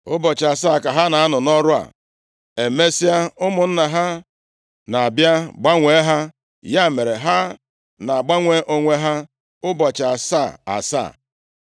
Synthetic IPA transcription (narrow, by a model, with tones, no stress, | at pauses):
ʊ˦bɔ˨t͡ʃa˨sa˦˨ka˨ɦa˦na˨a˦nʊ˨nɔ˦ɾʊ˦a̰˨ | e˨me˦si˦a˦ʊ˦mʊ˨n̩˦na˨ɦa˦ | na˨a˨bja˦ɡ͡ba˦ŋʷe˨˦ɦa˦ | ja˦˨me˨ɾe˨ɦa˦ | na˨a˨ɡ͡ba˦ŋʷe˦ʔo˦ŋʷe˦ɦa˦ | ʊ˦bɔ˨t͡ʃa˨sa˦˨a̰˨sa̰ː˦˨